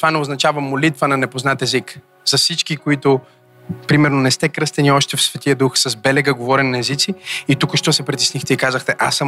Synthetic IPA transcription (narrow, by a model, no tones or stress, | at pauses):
t̪ovanɛoznɐt͡ʃavəmolit̪vənɐnɛpoznat̪ɛzik | zɐfsit͡ʃkikoit̪ʊ | pɾimɛɾnonɛst̪ɛkɾɤst̪ɛniɔʃt̪ɛfsvɛt̪iəd̪uxsɐzbɛlɛɡəɡovɔɾɛnːɛzit̪siit̪ukəʃt̪ɔsɛpɾit̪ɛsnixt̪ɛikazəxt̪ɛʔasːə